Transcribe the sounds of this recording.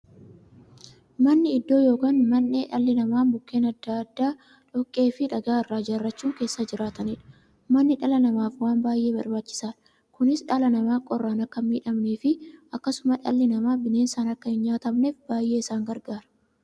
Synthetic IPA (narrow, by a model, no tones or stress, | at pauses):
mɐnːɪɪd̪ːo̞ːjo̞ːkaːnmɐnːeːᶑɐlːɪnɐmaːnbʊkːe̞ːnɐd̪ːaɐd̪ːaː | ᶑɔkʼːe̞ːfɪᶑɐɡaːɪrːaːd͡ʒɐrːɐt͡ʃːuːŋke̞ːsːɐd͡ʒɪɾaːt̪ɐniːᶑɐ̥ | mɐnːɪᶑɐlɐnɐmaːfwaːnbaːjʔe̞ːbɐɾbaːt͡ʃːɪ̥saːᶑɐ | kʊnɪsᶑɐlɐnɐmaːkʼɔrːaːnɐkːɐmiːᶑɐmne̞ːfɪʔɐkːɐsʊmɐᶑɐlːɪnɐmaːbɪne̞ːnsaːnɐkːɐhɪnɲaːt̪ɐmne̞ːfbaːjʔe̞ːɪsaːŋɡɐɾɡaːɾɐ̥